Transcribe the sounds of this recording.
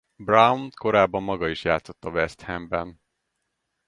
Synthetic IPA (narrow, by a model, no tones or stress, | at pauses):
brawnko̞ɾaːbːɒmːɒɡɒiʃjaːt̪so̞t̪ːɒvɛst̪hɛmbɛn